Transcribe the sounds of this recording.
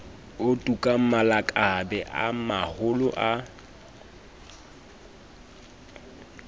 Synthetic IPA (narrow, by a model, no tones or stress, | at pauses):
ʊtʼukʼam̩malakʼabɛʔa̰mahʊlʊʔa